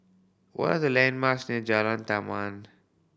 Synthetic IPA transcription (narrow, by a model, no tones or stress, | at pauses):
wɔ̰ɾazəlãnmasned͡ʒalãnt̪aman